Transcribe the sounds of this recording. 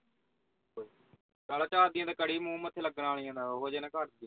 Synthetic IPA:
kaːlaːt͡ʃaːd̪ɪjãːd̪aːkəɽiːmũːmət̪ʰːeːləɡnaːɭĩjãːd̪aːoɦoːd͡ʒeːnãːkəɾd̪iã

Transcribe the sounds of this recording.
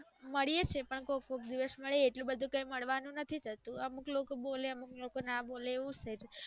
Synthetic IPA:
məɭijet͡ʃʰepəɳkokok̚d̪iʋəsməɭeeʈlũbəd̪ʱũkə̃ĩməɭʋanũnət̪ʰit̪ʰət̪ũəmuklokoboleəmuklokonaboleːʋũd͡ʒt̪ʰəet̪ʰ

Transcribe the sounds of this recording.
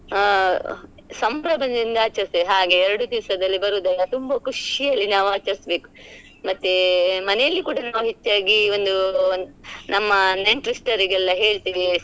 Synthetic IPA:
sɐmpɾɐbʱɐnd̪ɐind̪ɐaːt͡ʃɐɾsiɦaːɡe̞ɛɾɐɽud̪iʋsɐd̪ɐlːibɐɾuːd̪ɐlːɐt̪umbɐkʰuʂijɐlːinaːʋaːt͡ʃɐɾisbe̞ːku̥ | mɐt̪ːemɐnɛjɐlːikuːɽɐnaːʋuɦet͡ʃːaːɡio̞nd̪u | nʔɐmːɐneɳʈɾisʈɐɾiɡɐlːɐɦe̞ːɭt̪iːʋi

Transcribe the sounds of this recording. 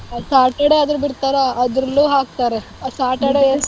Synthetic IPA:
saːʈɐɽeɐd̪ɾbiɾt̪aːɾaɐd̪ɾɐlːuːɦaːk̚t̪aːɾe | saːʈɐɽe

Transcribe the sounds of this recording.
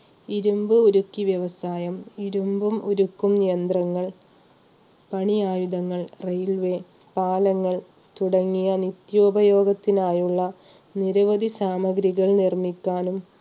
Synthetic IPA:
iɾumbɨuɾukːiʋjɐʋɐsaːjɐmiɾumbumuɾukːumnijɐnd̪rɐŋːɐɭ | pɐɳiaːjud̪ɐŋːɐɭrejlʋe | paːlɐŋːɐɭ | t̪uɽɐŋːijɐnit̪jo̞ːbɐjo̞ːɡɐt̪ːinaːjuɭːɐ | niɾɐʋɐd̪ʱisaːmɐɡɾiɣɐɭnirmikʲːaːnum

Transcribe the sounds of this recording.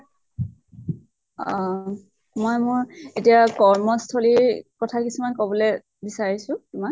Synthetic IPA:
ɔ | mɔjmʊɹetijakɔɹmɔstʰoliɹkɔtʰakisumankobɔlɛ | bisaɹisʊtʊmak

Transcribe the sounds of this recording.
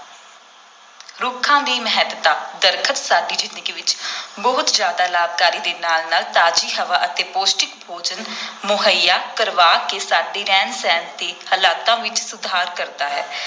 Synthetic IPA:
ɾʊkʰãːd̪iːməɦɛd̪t̪ãːd̪əɾkʰət̪saːɖiːd͡ʒɪnɪkːʋɪt͡ʃbəɦʊt̪d͡ʒjaːd̪aːlaːb̚kaːɾiːd̪eːnaːlnaːlt̪aːd͡ʒiːɦəʋaːʔət̪eːpoːsʈɪkbʱoːd͡ʒənmʊɦəjːaːkəɾʋaːkeːsaːɖiːɾɛːnsɛ̃ːnt̪eːhəlaːt̪ãːʋɪt͡ʃsʊd̪ʱaːɾkəɾd̪aːɦɛː

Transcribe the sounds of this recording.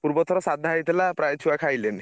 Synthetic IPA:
puɾbɔt̪ʰɔɾɔsad̪ʱːajt̪elapɾajt͡ʃʰuakʰajlen

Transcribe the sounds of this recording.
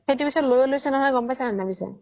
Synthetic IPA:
etupisʰɔlojɔlojsɛnɔɦɔjɡɔmpajsananabisa̰

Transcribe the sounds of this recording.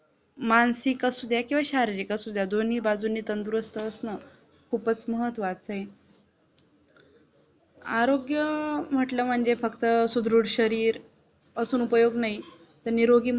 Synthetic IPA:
mansikasud̪ʱjakĩw̃ʋaɕaɾiɾikasud̪ʱjad̪on̤iːbad͡zunːiːt̪ənd̪uɾəst̪əːsnə | kʰupət͡sməɦət̪ʋat͡səɦe | aɾoɡjəm̤əʈləːm̤əɳd͡zefəkt̪əsud̪ɾuɽɕəɾiːɾ | əsuːnupəjoɡnai | t̪əɾniɾoɡiː

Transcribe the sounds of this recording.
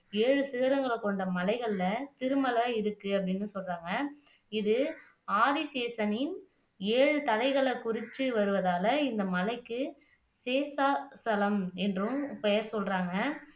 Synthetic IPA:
eːɻɯsɪɣɐɾɐŋɡɐɭɐkːɔɳɖɐmɐlɐɪɣɐɭlɐt̪ɪɾɯmɐlɐɪɾɯkːɯɐpːɐɽɪnːɯsɔlraːŋɡɐ | ɪðɯ | aːðiseːsɐnɪn | eːɻɯt̪ɐlɐɪɣɐɭɐkʊrɪt͡ʃ̪ːɯʋɐɾɯʋɐðaːlɐɪnd̪ɐmɐlɐɪkːɯ | seːsaːsɐlɐmɛndrɯ̃ʊpːɐjɐɾsɔlraːŋɡɐ

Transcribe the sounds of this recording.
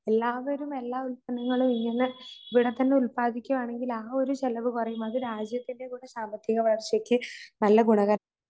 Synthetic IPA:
e̞lːaːʋɐɾume̞lːaːulpɐnɐŋːɐɭumiŋːɐneiʋiɽe̞t̪ːɐnːe̞ulpaːd̪ikʲːumaːɳe̞ŋɡilaːo̞ɾuɕelɐʋɨkurɐjumɐðɨɾaːd͡ʑjɐt̪ːinde̞kuːɽesaːmbɐt̪ːjiɣɐʋɐjɐrɕjɐkʲːɨnɐlːɐɡuɳɐɣɐɾɐ

